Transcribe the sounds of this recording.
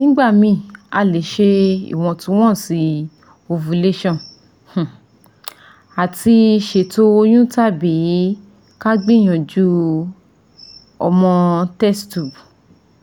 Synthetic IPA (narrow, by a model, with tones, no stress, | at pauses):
nĩ˦ɡ͡ba˦˨mĩ˧˨a˧˨le˨˦ʃe˧ḭ˦˨w̃ɔ̃˧tũ˧˦w̃ɔ̃˦˨si˨˧ | o˧vu˨˧le˦ʃɔ̃˦˨ | h̩˨ | a˨ti˧ʃe˨to˧˦o˧j̃ũ˦ta˦bi˨˦ | ka˦ɡ͡bĩ˦˨j̃ɔ̃˨d͡ʒu˦ | ɔ̰˧mɔ̃˧tɛ˦stu˨b